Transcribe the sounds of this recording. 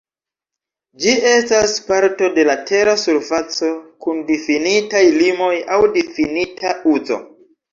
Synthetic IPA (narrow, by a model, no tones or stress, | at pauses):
d͡ʒie̞staspaɾto̞de̞latʰe̞ɾasuɾfat͡so̞kundifinitajlimo̞jawdifinitʰauzo̞̰